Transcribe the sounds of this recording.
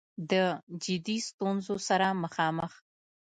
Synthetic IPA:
d̪əd͡ʒɪd̪ist̪unzosaɾaməxɑməx

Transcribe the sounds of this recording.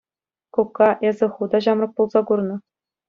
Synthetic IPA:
kukːɑʔezʲɘ̆χud̪ɑʑɑmrɤ̆k̚pulˠzɑkurnɤ̆

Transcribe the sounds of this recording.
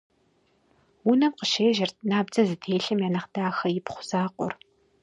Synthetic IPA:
wunɐmqəʃeːʒɐrt̚ʰnaːbd͡zɐzɨtʰeːɬɨmjaːnɐχd̥aːxɐjɪpχʷʊ̥z̥aːqʷʊ̰r

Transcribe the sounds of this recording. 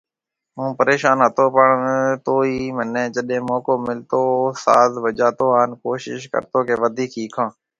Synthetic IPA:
ɦũːpəɾeːʃaːnɦət̪oːpəɳt̪oːiiːmənẽːd͡ʒəɗẽːmoːkoːmɪlt̪oːsa̰ːzʋəd͡ʒaːt̪oːaːnkoːʃɪ̰ʃkə̰ɾt̪oːkeːʋəd̪ʱiːkʰiːkʰãː

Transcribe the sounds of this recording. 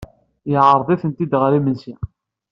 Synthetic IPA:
jʕəɾˤðˤiθənt̪id̪ʁɾimənsi

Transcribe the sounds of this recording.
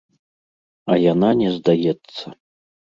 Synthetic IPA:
ɐjananʲɛzd̪ajɛt̪sːɐ

